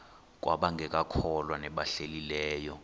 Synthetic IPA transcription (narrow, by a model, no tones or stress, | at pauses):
k̬wa̰ɓaŋɡɛk̬ʼakʰɔlwanɛɓaɬelilɛːjɔ